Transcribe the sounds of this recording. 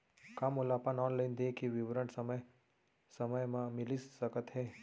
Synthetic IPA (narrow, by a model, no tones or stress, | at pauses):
kamʊlapanɔːnlaɪnd̪ekiʋɪʋɾəɳsəmj | səməjmãmɪlisəkət̪ɦɛː